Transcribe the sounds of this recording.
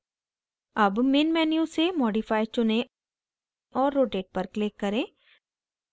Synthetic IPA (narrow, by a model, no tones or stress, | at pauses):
ɐbmɪnmɛːnijusemɔːɖifaːɪt͡ʃʊnẽ | ɔːɾːoːʈeːʈ̚pɐɾklɪkːɐɾẽː